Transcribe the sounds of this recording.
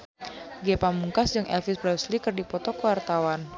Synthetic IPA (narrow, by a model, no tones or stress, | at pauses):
ɡepamuŋkasd͡ʒɨŋʔɛ̰lfisbɾɛslikɨrdipɔt̪ɔkəwart̪awan